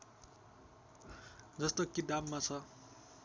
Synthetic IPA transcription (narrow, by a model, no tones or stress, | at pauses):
d͡zʌst̪okid̪amːat͡sʰʌ